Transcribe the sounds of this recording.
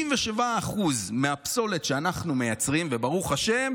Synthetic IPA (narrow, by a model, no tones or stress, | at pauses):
iɱveʃevaːχuzmeapso̞le̞tʃeanaχnume̞jat͡sʁimvebaʁuχaʃe̞m